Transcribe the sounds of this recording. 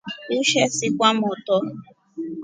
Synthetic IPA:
uʃɛsikʷamɔtɔ

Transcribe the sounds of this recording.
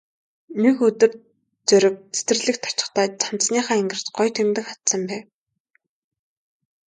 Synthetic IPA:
nekɵt̪ɵ̆r | t͡sœɾʲɪ̆k̚ʰe̥t̪ɘ̆rɮɘ̆kt̪ʰɔ̥t͡ɕɪ̥̆χt̪aːt͡sʰan̥sniːχaːeŋɡɘ̆r̥t̪ɢɔjt̪ʰemt̪ɘ̆kχat̪sə̆mpæːw

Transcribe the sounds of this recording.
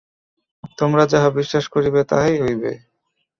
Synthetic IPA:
t̪omɾad͡ʑaɦabiʃːaʃkoɾibet̪a̰ejɦojbḛ

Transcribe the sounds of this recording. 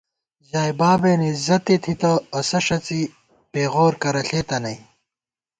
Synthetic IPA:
ʑaːjbaːbeːnizɐt̪it̪ʰit̪ɐːsɐʂɐt͡si | peːɣoːɾkɐɾɐɬeːt̪ɐnɐj

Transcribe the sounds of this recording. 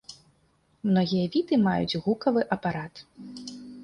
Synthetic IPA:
mnɔɣʲijɐvʲit̪ɨmajṵd͡zt͡sʲɣukɐvɨʔɐpaɾat̪

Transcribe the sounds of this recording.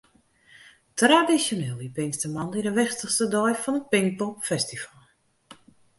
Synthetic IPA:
tradisjoneːlˠipɪnstəmandiɾəʋɛxstəxstədɔjfɔnət̚pɪŋk̚popfɛstifalˠ

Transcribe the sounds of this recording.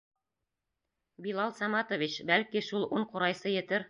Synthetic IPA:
bilˠɑlˠsɑmɑt̪ovʲit͡ɕbælkiʃulˠuɴquɾɑjsɤjɘ̆t̪ɘɾ

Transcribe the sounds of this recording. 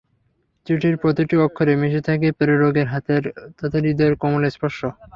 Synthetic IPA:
t͡ɕuʈiɾpɾot̪iʈiɔkʰːoɾemiʃet̪ʰak̬epeɾoɾoɡeɾɦat̪eɾt̪ɔt̪ʰaɾid̪eɾkɔmolespɔɾʃo

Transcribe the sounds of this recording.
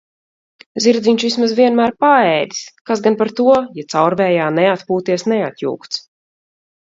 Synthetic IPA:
ziɾd̪ziɲt͡ʃvismazviɛnmæːɾpaɛːd̪i̥skasɡanpaɾt̪uɔjɛt̪sawɾvɛːjaːnɛat̪puːt̪iɛsnɛat̪jṵːkt̪s

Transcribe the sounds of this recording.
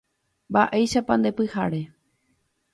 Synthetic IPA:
mbaʔe̞jʃapãnd̪e̞pɨhaɾe

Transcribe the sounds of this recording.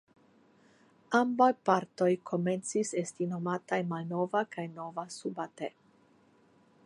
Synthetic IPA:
ambajpaɾto̞jkʰo̞me̞nt͡sise̞stinomatajmalno̞vakajno̞vasubate

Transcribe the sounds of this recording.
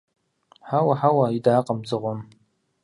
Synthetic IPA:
ħawaħawaidaːqʼəmd͡zʼɨʁʷɔm

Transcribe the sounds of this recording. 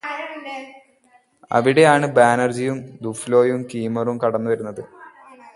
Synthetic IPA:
ɐ̰ʋiɽe̞jaːɳɨbaːnɐrd͡ʑijumd̪uflo̞ːjumkiːmɐrumkɐɽɐnːuʋɐɾunːɐðɨ

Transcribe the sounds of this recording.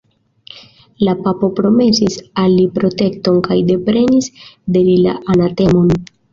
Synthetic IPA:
lapapo̞pɾo̞me̞sisalːipɾo̞te̞kt̪o̞nkajd̪e̞pɾe̞nisd̪e̞lila̰ʔanat̪e̞mon

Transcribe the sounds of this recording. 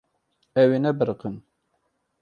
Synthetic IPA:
ɛwenɛbɨɾɨqən

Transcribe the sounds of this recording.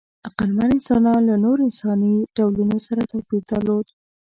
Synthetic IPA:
aqalmanɪnsɑnɑnlanoɾoɪnsɑniɖawlunosaɾat̪awbit̪əlod̪

